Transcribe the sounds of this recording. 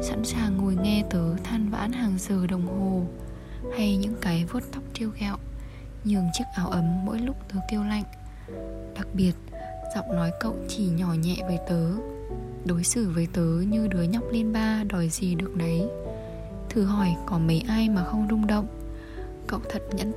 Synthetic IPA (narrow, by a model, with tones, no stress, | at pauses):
sa̰˧˥nsaː˨˩ŋːo˨˩jŋɛ˧t̪əː˨˦t̪ʰaː˧nva̰ː˧˥nhaː˨˩ŋzəː˨˩ɗə˨˩wŋ͡mɦo˨˩ | ha˧jɲɨ̰˧˥ŋkaː˨˦jvo˦˥t̚t̪ʰa˦˥wk͡p̚t͡ɕi˧əwɣɛ˧˨w | ɲɨ˨˩əŋt͡ɕɨ˦˥ək̚ʔaː˨˦wʔə˨˦mːo̰˧˥jlʊ˦˥k͡p̚t̪əː˨˦k̪i˧əwla̰˧˨jŋ̟ | ɗa˨˩k̚ɓi˨˩ət̚ | z̥ɔ̰˧˨wŋ͡mnɔ˨˦jkə̰˧˨wt͡ɕi˧˩ɲɔ˧˩ɲɛ̰˧˨vəː˨˦jt̪əː˨˦ | ɗo˨˦jsɨ˧˩vəː˨˦jt̪əː˨˦ɲɨ˧ɗɨː˨˦jɲa˦˥k͡p̚li˧ənɓaː˧ɗɔ˨˩jzi˨˩ɗɨ˨˩ək̚nə˨˦j | t̪ʰɨ˨˩ɦɔ˧˩jkɔ˨˦mə˨˦jʔaː˧jmaː˨˩xə˧wŋ͡mzʊ˧ŋ͡mɗə̰˧˨wŋ͡m | kə̰˧˨wt̪ʰə˨˩t̚ɲə̰˧˥n